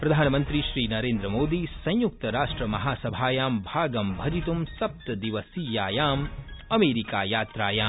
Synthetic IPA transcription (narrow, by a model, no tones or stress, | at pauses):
pɾɐd̪ʱaːnɐmɐnt̪ɾiʃɾiːnɐɾeːnd̪ɾɐmoːd̪isɐ̃j̃juk̚t̪ɐɾaːʂʈɾɐmɐɦaːsɐbʱaːjaːmbʱaːɡɐmbʱɐd͡ʒit̪umsɐp̚t̪ɐd̪iʋɐsiːjaːjaːmɐmeːɾikaːjaːt̪ɾaːjaː